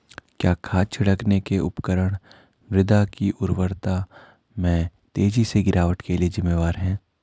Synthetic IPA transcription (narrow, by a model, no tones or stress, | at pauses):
kjaːkʰaːt͡ʃʰɐɽəknekeʊ̰pkəɾəɽ̃ | mɾɪd̪akiʔʊɾʋəɾt̪a | mɛ̃ːt̪eːd͡ʒiseɡɪɾʔaːʋəʈkeliezɪmːeːʋaːɾɦɛ̃ː